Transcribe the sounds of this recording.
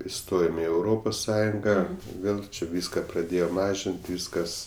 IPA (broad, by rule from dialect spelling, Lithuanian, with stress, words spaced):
ɪˈstoːjoːm ɪ ɛʊˈroːpoːs ˈsɑːjʊŋɡɐ ˈʋʲeːlˠ t͡ʃʲɛ ˈʋʲiːskɐ prɐˈdʲeːjoː ˈmɑːʒʲɪnʲtʲ ˈʋʲiːskɐs